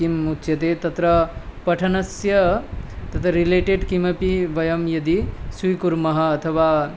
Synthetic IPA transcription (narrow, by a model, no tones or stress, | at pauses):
imut̪t͡ʃjɐt̪et̪ɐt̪ɾɐpɐʈʰɐnɐsjɐt̪ɐt̪ʰɐɾileʈeɖkimɐpiʋɐjɐmjɐd̪isujkuɾmɐɦɐːt̪ʰɐʋa